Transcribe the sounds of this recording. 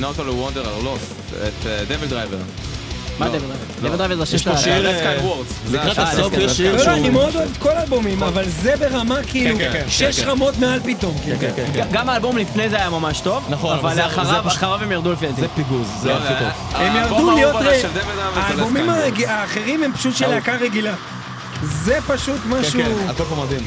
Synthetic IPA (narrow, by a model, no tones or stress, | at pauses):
not̪olwond̪eʁaʁlostt̪ | et̪ːd̪eveld̪ʁajvḛʁ | madeveld̪ʁajved̪eeld̪ʁavezeaʃeʃeawoʁzzlikʁaaʃloloanimeod̪oevet̪̚kolaːlbomimavalzebe̞ʁamakiiluʃeʃʁamo̞t̪mealpit̪o̞mkiaɡamaːlbo̞mlifnejzeajamamaʃt̪o̞vnχavaleaχaʁavχaʁavemjaʁd̪ulefiat̪piɡuzvemjaʁdulijoʁed̪eved̪avaːlbomimaeɡiaːχeʁimhempḁʃut̪ʃeleakaʁeɡila | zepaʃut̪maʃut̪ofmad̪im